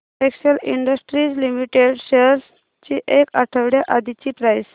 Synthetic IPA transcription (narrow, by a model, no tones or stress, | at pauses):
ʈekɕəliɳɖəsʈɾiːd͡zlimiʈeɖɕeɾs | t͡ɕiːʔekaʈʰəʋɽjaʔad̪it͡ɕiːpɾajs